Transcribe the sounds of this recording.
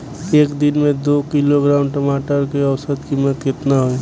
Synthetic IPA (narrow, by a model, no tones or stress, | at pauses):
eːkd̪ɪnmẽd̪oːkiloɡɾaːʊnʈəmaːʈəɾkeəwsət̪kiːmːət̪kɪt̪naɦoi